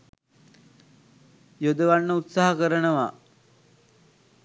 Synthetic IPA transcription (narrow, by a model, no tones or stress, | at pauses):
jod̪əʋanːəut̪saɦakəɾənəʋa